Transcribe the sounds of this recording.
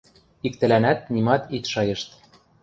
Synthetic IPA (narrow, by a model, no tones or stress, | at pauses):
ikt̪ɘ̆lænæt̪̚nimɑt̪it̪ʃɑjɤ̆ʃt̪